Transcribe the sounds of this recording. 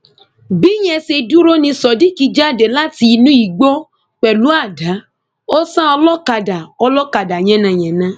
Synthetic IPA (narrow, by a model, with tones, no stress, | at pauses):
bi˦j̃ɛ̃˧se˧du˦ɾo˦nĩ˧sɔ˨di˦ki˧d͡ʒa˦˨de˨la˦ti˧nũ˦i˨ɡ͡bo˦ | k͡pɛ˨lu˨˦a˦˨da˨˦ | o˦sã˦ɔ˧lɔ˦ka˧da˨ɔ˧lɔ˦ka˧˨da˨j̃ɛ̃˨˦nã˨j̃ɛ̃˨nã˦